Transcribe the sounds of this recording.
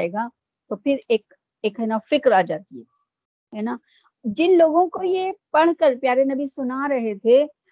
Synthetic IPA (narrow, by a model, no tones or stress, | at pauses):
eːɡa | t̪opʰɪɾeːk | eːkɦɛnafɪkɾaːd͡ʒaːt̪iɦɛː | ɦɛnaː | d͡ʒɪnloːɡõkojepɐɽ̃kəɾpjaːɾenɐbisʊnaɾɐɦet̪ʰe